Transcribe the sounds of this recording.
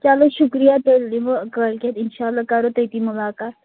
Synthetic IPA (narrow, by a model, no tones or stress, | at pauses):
t͡ʃaːloʃʊkɾijat̪elːiʋəkəlket̪ɪnʃaːlːakaɾot̪əjt̪imʊlaːkaːt̪